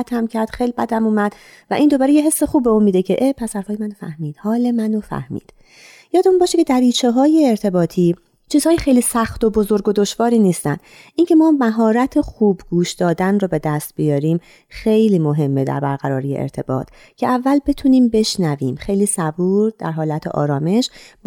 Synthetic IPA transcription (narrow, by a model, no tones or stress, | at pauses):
t̪ʰæmcʰæɾd̪̥xelibæd̪æmuːmæd̪̥ | væʔind̪o̞bæːɾejeɦe̞sːexuːb̚beuːnmiːd̪ecʰe̞ʔepʰæsæɾfɒːjemænofæ̰hmiːd̪̥hɒːle̞mænofæ̰hmḭːd̪̥ | jɒːd̪euːnbɒːʃecʰe̞d̪æɾiːt͡ʃʰeɦɒːje̞ːɾt̪ʰe̞bɒːt̪ʰiː | t͡ʃʰiːz̥hɒːjexejliːsæxt̪o̞bo̞zoɾɡod̪o̞ʃvɒːɾiːniːst̪ænd̪ʔiːncʰe̞mɒːmæɦɒːɾæt̪ʰexuːbɡuːʃd̪ɒːd̪ænrɔːbe̞d̪æst̪̚bijɒːɾiːm | xe̞jliːmo̞ɦe̞mːed̪æ̰ɾbæɾɡæɾɒːɾijḛʔḛɾt̪ʰe̞bɒ̰ːt̪ʰ | cʰe̞ʔævːælbe̞t̪ʰuːniːmbe̞ʃnæviːmxejliːsæbuːɾd̪̥æ̰ɾɦɒːlæt̪ʰḛʔɒ̰ːɾɒːme̞ʃ